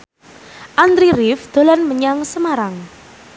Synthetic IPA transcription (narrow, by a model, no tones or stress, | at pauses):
ʔand̪ɾirifd̪̥o̤lanməɲaŋsəmaɾaŋ